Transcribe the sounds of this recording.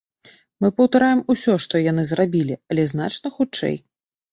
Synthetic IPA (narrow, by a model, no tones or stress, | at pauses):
mɨpɐwt̪aɾajɛmusʲɔʂt̪ɔjanɨzrabʲilʲiɐlʲɛzn̪a̰t͡ʂnɐxut͡ʂɛ̰j